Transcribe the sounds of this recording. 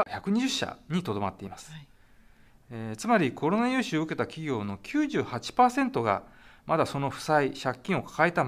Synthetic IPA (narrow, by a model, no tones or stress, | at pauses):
çakɯ̟ɲ̟iʑɨɕːa̰ɲ̟it̪o̞d̪o̞mat̪ːe̞imasɨ̥ | et͡sɨmaɾʲikʰo̞ɾo̞najɯːɕɨoɯke̞t̪akʲiɡʲo̞ːno̞kʲʰɨːʑɨːhat͡ɕi̥paːsẽ̞nt̪o̞ɡa̰mad̪aso̞no̞ɸɯ̟̥saiɕakʲːĩɰ̃o̞kḁkaet̪a